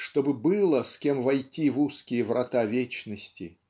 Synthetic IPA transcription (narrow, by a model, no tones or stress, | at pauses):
ʂt̪obɨbɨlˠəsʲkʲe̞mvɐjtʲivuskʲɪjəvɾɐt̪avʲet͡ɕnəsʲtʲɪ